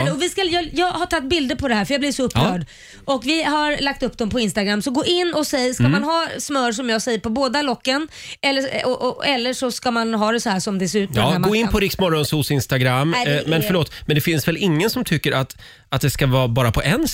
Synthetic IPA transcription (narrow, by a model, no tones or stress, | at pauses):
ɔvɪskajjɑːɡhaʈʰat̪̚ːbɪld̪əɾpʰɔd̪ɛhæːɾfœɾjɑːblɪvʂɔɵpːɾœːɖ | ʔɔkvɪhaɾlak̚t̪ɵp̚ːd̪ɔmpʰɔɪnst̪aɡɾamːsɔɡoːʔɪnːɔsɛjːskamanɦɑːsmœːɾʂ̬ɔmjɑːɡsɛjːəɾpʰɔboːd̪alɔkːən | ɛlːəɔʔɔɛlːəʂɔskamanɦɑːd̪ɛsɔhæːʂɔmd̪ɛsɛʉ̟ːt̪ːɡmoːɪnpʰɔɾɪksmɔɾɔnsusɪnst̪aɡɾamːmɛnffœɾɭoːt̪mɛnd̪ɛfɪnsvɛlɪŋːənsɔmt̪ʰʏkːəɾat̪ | at̪̚d̪ɛskavɑːbɑːɾapʰɔʔɛnː